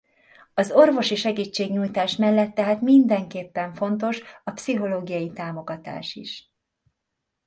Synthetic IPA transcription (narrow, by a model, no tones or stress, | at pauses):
ɒzo̞rvo̞ʃiʃɛɡiːt͡ʃːeːɡɲuːjt̪aːʃmɛlːɛt̪ːɛɦaːt̪mind̪ɛŋkeːpːɛɱfo̞nt̪̬o̞ʃɒpsiɦo̞loːɡijɒjit̪aːmo̞ɡɒt̪a̰ːʃḭʃ